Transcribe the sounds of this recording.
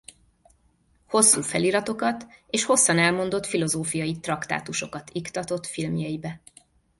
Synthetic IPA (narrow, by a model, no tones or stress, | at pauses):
ho̞sːuːfɛliːɾɒt̪o̞kɒt̪eːʃho̞sːɒnɛlmo̞nd̪o̞t̪filo̞zoːfijɒjit̪rɒkt̪a̰ːt̪uʃo̞kɒt̪ikt̪ɒt̪o̞t̪filmjɒjibɛ